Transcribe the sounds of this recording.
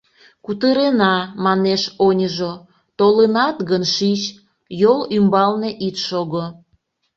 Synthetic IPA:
kut̪əɾenɑmɑneʃonʲəʒo | t̪olenɑt̪ɣənʃit͡ɕ | jolymbɑlneʔit̪ʃoɣo

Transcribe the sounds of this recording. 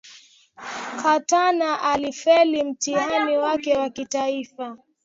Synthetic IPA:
katanaʔalifɛlim̩tihaniwakɛwakitaifa

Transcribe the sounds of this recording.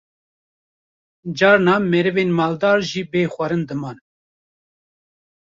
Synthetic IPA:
d͡ʒɑːɾnɑːmɛɾɨveːnmɑːld̪ɑːɾʒiːbeːxʷɑɾɨnd̪ɨmɑːn

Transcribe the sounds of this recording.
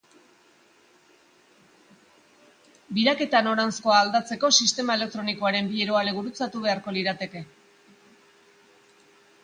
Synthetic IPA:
biɾake̞t̪ano̞ɾansko̞aːld̪at͡se̞ko̞sist̪e̞mae̞le̞k̚t̪ɾo̞niko̞aɾe̞mbieɾo̞aleβuɾut͡sat̪uβ̞e̞aɾko̞liɾat̪e̞ke̞

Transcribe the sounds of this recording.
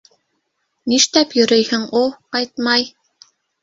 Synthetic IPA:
niʃt̪æpjɵ̆ɾɘjhɘ̆ŋulˠqɑjt̪̚mɑj

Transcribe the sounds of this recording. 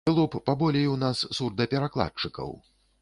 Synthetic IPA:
lˠupːabɔlʲɛjunasːurd̪d̪ɐpʲɛɾaklˠa̰t͡ʂɨkɐ̰w

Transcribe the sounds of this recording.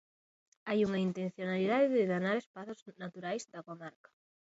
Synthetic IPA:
ajuŋɐint̪enθjonaliðaðɪðɪðanaɾespaθʊznat̪uɾajzd̪ɐkomaɾkɐ̥

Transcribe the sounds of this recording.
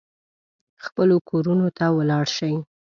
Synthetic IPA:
xpəlokʰoɾunot̪awəlɑɽʃəj

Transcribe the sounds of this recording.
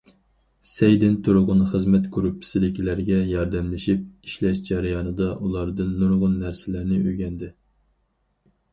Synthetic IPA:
sɛjd̪ɪnt̪ʰuɾʊʁʊnχəzmɛt̪kʰoɾupʰːi̥sɪlɪkʲʰilæɾɡʲɛjɑɾd̪ɛmlɪʃip̚iʃlɛʃd͡ʒɑɾɪjɑnɨd̪ɑʔulˠɑɾd̪ɨnːuɾʁʊnːæɾsɪlæɾnɪøɡʲɛnd̪ɪ

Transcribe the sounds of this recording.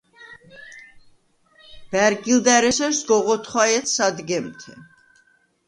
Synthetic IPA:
b̥æɾɡild̪æɾɛsɛɾsɡɔʁɔt̪ʰχwajɛt̪ʰsad̪ɡɛmt̪ʰɛ̰

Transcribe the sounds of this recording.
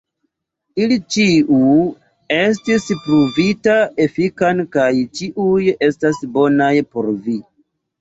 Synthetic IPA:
ilit͡ʃiu | e̞s̬tispɾuvitae̞fikankajt͡ʃiʔuje̞stasbo̞najpo̞̰ɾvi

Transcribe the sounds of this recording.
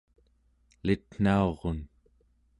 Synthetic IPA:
lit̪n̥aoʁon

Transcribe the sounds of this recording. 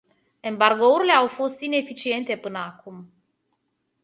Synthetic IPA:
e̞mbarɡo̞uɾile̞awfo̞st̪ine̞fit͡ʃie̞nt̪e̞pɨnəakum

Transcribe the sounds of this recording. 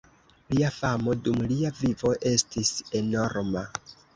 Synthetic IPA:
liafamo̞dumliavivo̞ʔe̞stise̞no̞ɾma

